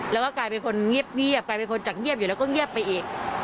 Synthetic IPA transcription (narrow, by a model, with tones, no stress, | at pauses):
lɛː˦˥wkɔː˥˩kaː˧jpe˧nkʰo˧nŋi˥˩əp̚ŋi˥˩əp̚kaː˧jpe˧nkʰo˧nt͡ɕa˨˩k̚ŋi˥˩p̚juː˨˩ɛː˦˥wkɔ˥˩ŋi˥˩əpːa˧jʔiː˨˩k̚